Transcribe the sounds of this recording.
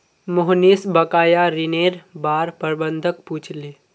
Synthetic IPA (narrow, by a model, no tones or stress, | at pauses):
mʊɦnisbəkaːjaɾɪneːɾbaːɾpəɾbənd̪ʱək̚puːt͡ʃʰleː